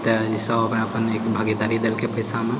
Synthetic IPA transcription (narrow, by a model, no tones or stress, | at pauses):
t̪əd͡ʒisəbəpnəpənekbʱaɡid̪aɾid̪elkepəjsame